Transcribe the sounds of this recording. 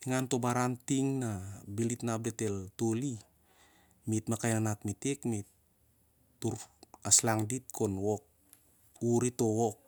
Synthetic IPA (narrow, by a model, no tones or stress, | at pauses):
iŋanto̞baɾantiŋnabilitnap̚dete̞ltoli | mitmakajnanatmitekmitː | uɾaslaŋdit̚kʰo̞nwok̚ | uɾito̞wok̚